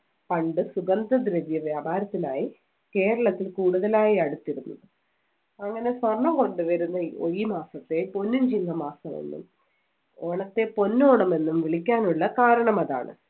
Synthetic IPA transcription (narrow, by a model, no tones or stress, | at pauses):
pɐɳɖɨsuɡɐnd̪ɐd̪ɾɐʋjɐʋjaːbaːɾɐt̪ːilaːji | ke̞ːɾɐɭɐt̪ːilkuːɽuðɐlaːjiɐɽut̪ːiɾunːɐðɨ | ɐŋːɐne̞sʋɐrɳːɐmko̞ɳɖɨʋɐɾunːɐo̰jimaːsɐt̪ːe̞po̞nːumd͡ʑiŋɡɐmaːsɐmo̰nːṵm | oːɳɐt̪ːe̞po̞nːoːɳɐme̞nːumʋiɭikʲːaːnuɭːɐkaːɾɐɳɐmɐða̰ːɳɨ̰